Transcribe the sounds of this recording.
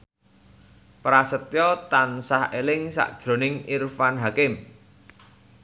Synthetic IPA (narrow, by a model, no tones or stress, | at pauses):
pɾasət̪jɔt̪ansahelɪŋsa̰ʔd̥ʒ̥ɾo̤nɪŋirfanɦakɪm